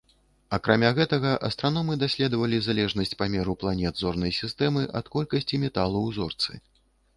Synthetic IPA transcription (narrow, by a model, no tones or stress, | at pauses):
ɐkɾamʲaɣɛt̪ɐɣɐʔɐst̪ɾanɔmɨd̪asʲlʲɛd̪ɐvɐlʲizalʲɛʐnɐsʲt͡sʲpamʲɛɾuplˠanʲɛd̪zɔrnɐjsʲist̪ɛmɨʔɐt̪kɔlʲkɐsʲt͡sʲimʲɛt̪alˠuwzɔ̰rt̪sɨ̰